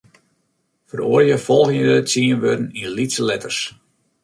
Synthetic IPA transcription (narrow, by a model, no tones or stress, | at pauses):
fəroərjəfɔlˠɣəədətsiənʋødən̩ilitsəlɛtərs